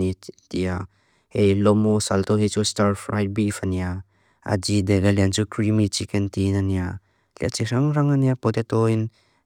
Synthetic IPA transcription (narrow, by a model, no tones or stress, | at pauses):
it̪ia | hejlɔmusalt̪ɔɦit͡ʃustaɾfɾajt̚bifania | a̰d͡ʒid̪ɛɡaliant͡sukɾimit͡ʃikɛnt̪inania | lia̰t͡ʃiɾaŋɾaŋaniapɔt̪et̪ɔin